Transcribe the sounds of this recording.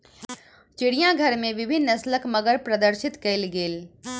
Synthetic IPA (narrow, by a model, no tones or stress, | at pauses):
t͡ʃɪɽijãɡʱɐɾmẽʋɪbʱɪnːɐsləkməɡəɾpɾɐd̪əɾsɪt̪kɐɪlɡeːl